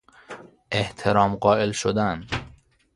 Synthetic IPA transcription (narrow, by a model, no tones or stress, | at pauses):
ʔeht̪ʰeɾɒːmɢɒːelʃod̪æn